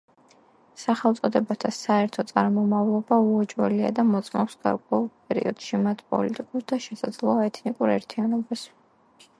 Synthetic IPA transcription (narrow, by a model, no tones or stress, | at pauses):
saχɛlˠt̪sʼɔd̪ɛbat̪ʰasaɛɾt̪ʰɔt̪sʼaɾmɔmavlˠɔbauɛt͡ʃʼwɛ̰lia̰d̪amɔt̪sʼmɔpsɡ̥a̰ɾkʼwɛulˠpʼɛɾḭɔ̰d̪̥ʃimat̪ʰpʼɔ̰lit̪ʼikʼuɾd̪ʰaʃɛsad̪zlˠɔaɛt̪ʰnikʼuɾɛɾt̪ʰianɔbas